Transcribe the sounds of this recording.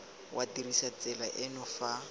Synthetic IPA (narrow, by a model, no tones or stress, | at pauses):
wʔadirisat͡sʼɛlaʔɪnʊfa